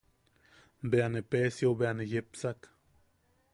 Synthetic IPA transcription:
beanepesjobeanejepsak

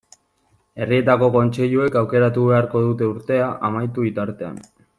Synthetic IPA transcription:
e̞rie̞t̪ako̞ko̞nt͡ʃe̞ʎue̞kawke̞ɾat̪uβe̞aɾko̞ðut̪e̞uɾt̪e̞aʔamajt̪uβit̪aɾt̪e̞a̰n

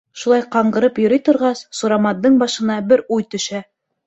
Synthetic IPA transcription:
ʃulˠɑjqɑɴɢɤ̆ɾɤpjɵ̆ɾijt̪ŏɾʁɑssuɾɑmɑd̪ːɤɴbɑʃɤ̆nɑbɘɾujt̪ɵ̆ʃæ

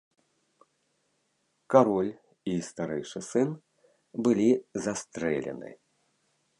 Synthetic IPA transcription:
kaɾɔlʲ | ist̪aɾɛjʂɨsɨn | bɨlʲizast̪ɾɛ̰lʲɛ̰nɨ̰

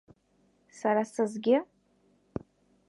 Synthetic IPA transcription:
saɾasɨzɡʲɪ

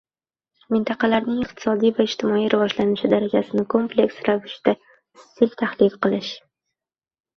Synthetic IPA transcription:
mɪnt̪ʰɑqɑlaɾnɪŋɪq̚t̪ʰɪ̥sɒd̪ijvaɪd͡ʒt̪ʰɪmɒijɾavɒʒlanɪʃɪd̪aɾad͡ʒasɪnɪkʰo̞mplʲe̞ksɾavɪʃɪd̪̥a | sɪlt̪ʰahlɪfqɨlˠɪʃ

